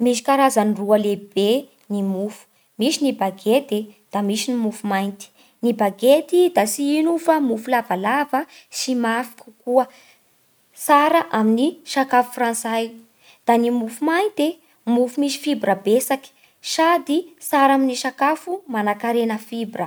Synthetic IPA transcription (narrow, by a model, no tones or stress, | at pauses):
miʃi̥kaɾazaniruəleb̥e | nimufu̥ | misinibaɡet̪ed̪̥amisinimufumajnt̪i̥ | nibaɡet̪id̪asiinufamufulavalavə | simafi̥kʲu̥kuə | saɾəʔaminiʃakafu̥fransaj | d̪̥animufumajnt̪e | mufumisi̥fibɾəbesaki̥ | sad̪isaɾaminiʃakafumanakaɾenəfibɾə